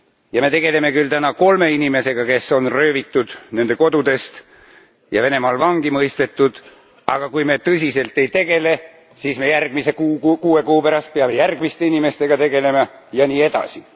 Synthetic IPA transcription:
jɑme̞t̪e̞ɡe̞le̞me̞kylt̪ænɑko̞lme̞inime̞se̞ɡ̥ɑke̞sːo̞nrø̞ːvit̪ˑːud̪̥ne̞nd̪e̞ko̞d̪ud̪e̞st̪ | jɑ̰ve̞ne̞mɑlvɑŋɡ̥imɤjst̪e̞t̪ːˑud̪̥ | ɑɡ̥ɑkujme̞t̪ɤs̬ʲise̞lt̪ˑe̞jt̪e̞ɡ̥e̞le̞ | siːsme̞jærɡ̥mise̞kukuːe̞kuːpæɾɑst̪̚peɑme̞jærɡ̥mist̪einime̞st̪e̞ɡ̥ɑt̪e̞ɡe̞le̞mɑ | jɑniːe̞d̪̥ɑ̰si

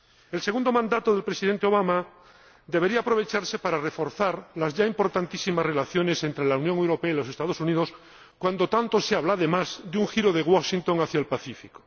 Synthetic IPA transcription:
else̞ɣũnd̪o̞mãnd̪at̪oðe̞lpɾesiðe̞nt̪eo̞βama | d̪e̞βe̞ɾiaːpɾo̞β̞e̞t͡ʃaɾse̞paɾare̞fo̞ɾθaɾlazʝaimpo̞ɾt̪ant̪isimazre̞laθjo̞ne̞se̞nt̪ɾe̞launjõŋewɾo̞peailo̞se̞st̪að̞osuniðo̞s | kwand̪o̞t̪ant̪o̞seaβlaːðe̞mazðeuŋxiɾoðe̞ɣwaʃint̪o̞ŋaθjaelpaθifiko̥

